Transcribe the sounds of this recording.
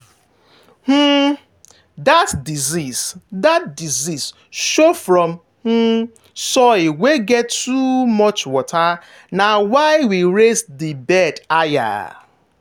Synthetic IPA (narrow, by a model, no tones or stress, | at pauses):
h̩ | datdizisdatdizis | ʃofɾɔm | h̩ | sɔɪweɡɛtːumɔt͡ʃwɔtʰa | nawaɪwiɾesdibɛdaja̰